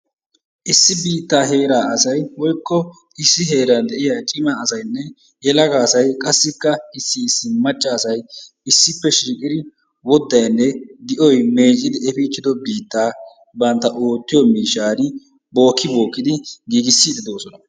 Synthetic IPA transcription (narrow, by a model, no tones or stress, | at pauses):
ʔɪsːɪbiːt̪ːaːɦe̞ːɾaːɐsɐjwɔjkːɔ | ɪsːɪɦe̞ːɾɐnd̪ɛʔɪjaːt͡ʃʼɪmaɐsɐjnːɛ | jɛlɐɡaːsɐjkʼɐsːɪkːɐɪsːɪːsːɪmɐt͡ʃʼːaːsɐj | ɪsːɪpːɛʃiːkʼɪd̪ɪ | wɔd̪ːɐjnːɛd̪ɪʔɔjme̞ːt͡ʃʼːɪd̪ɪɛfit͡ʃːɪd̪ɔbiːt̪ːaː | bɐnt̪ːɐʔoːt̪ːɪjɔmiːʃːaːnɪ | bo̞ːkːɪbo̞ːkːɪd̪ɪɡiːɡɪsːɪd̪ɪd̪o̞ːsɔnɐ